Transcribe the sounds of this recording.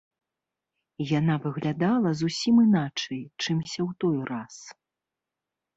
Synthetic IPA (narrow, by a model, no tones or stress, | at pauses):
janavɨɣlʲad̪alˠɐzusʲimɨnat͡ʂɐjt͡ʂɨmsʲɐwt̪ɔjras